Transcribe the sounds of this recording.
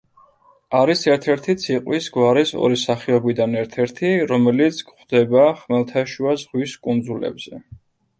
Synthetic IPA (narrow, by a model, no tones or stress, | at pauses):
aɾisɛɾt̪ʰɛɾt̪ʰit̪sʰiqʼwisɡwaɾɛsɔ̰ɾisaχiɔbid̪anɛɾt̪ʰɛɾt̪ʰiɾɔmɛlit̪sʰkχd̪ɛbaχmɛlˠt̪ʰaʃuazʁwiskʼund̪zulɛ̰bz̥ɛ